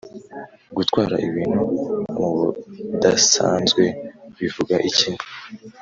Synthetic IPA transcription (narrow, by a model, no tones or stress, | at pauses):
ɡutwaːɾa̰ʔiβiːn̥humuβudasa̰ːnzɡwe̞βivuɡaʔicinu